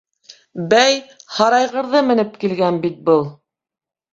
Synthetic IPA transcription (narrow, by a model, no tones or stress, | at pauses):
bæjhɑɾɑjʁɤ̆ɾðɤmɘ̆nɘp̚kilɡænbit̪̚bɤlˠ